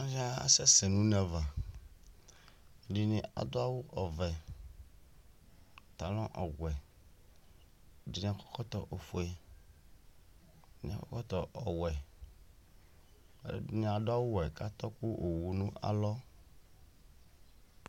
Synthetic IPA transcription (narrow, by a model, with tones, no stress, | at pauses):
ã˦za˦a̰˨sɛ˦se˨nũ˦nɛ̃˨va˨ | ɖi˨nĩ˨a̰˨d̪o˦a˦wu˦ʔɔ˨vɛ˨ | t̪a˨lɔ̃˦ʔɔ˨ɡwɛ˨ | di˨nĩ˨a˨kɔ̥˦kɔ˦t̪ɔ˨ʔo˨fo˨e˨ | nĩ˨a˨kɔ̰˦kɔ˦t̪ɔ˨ʔɔ˨wɛ˨˦ | di˨nĩ˨a˨d̪o˦a˦wu˦wɛ˨ka˦t̪ɔ˦ku˦ʔo˨wu˨nũ˦a̰˨lɔ˦